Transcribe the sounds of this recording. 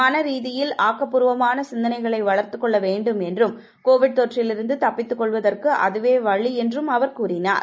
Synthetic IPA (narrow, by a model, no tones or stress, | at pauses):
aːnɐɾiːðɪjɪlaːkːɐpːʊɾɯʋɐmaːnɐsɪnd̪ɐnɐɪɣɐɭɐɪʋɐɭɐɾt̪ɯkːɔɭːɐʋeːɳɖɯmɛndrɯm | koːʋɪɽ̚t̪ɔʈrɪlɪɾɯnd̪ɯt̪ɐpːɪt̪ːɯkːɔɭʋɐðɐrkɯʔɐ̰ðɯʋeːʋɐɭiɛndrɯmɐʋɐɾkuːɾɪna̰ːɾ